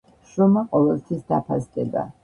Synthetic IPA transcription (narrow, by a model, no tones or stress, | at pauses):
ʃɾɔmaqʼɔvɛlˠt̪sʰwisd̪apʰasd̪ɛb̪a̰